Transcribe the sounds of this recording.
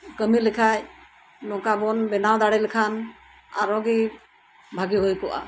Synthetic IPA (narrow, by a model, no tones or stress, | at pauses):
kəmilikʰaj | nɔkabɔnbɛnawd̪aɽɛlikʰan | a̰ɾɔɡi | bʱaɡiɦojkɔʔa̰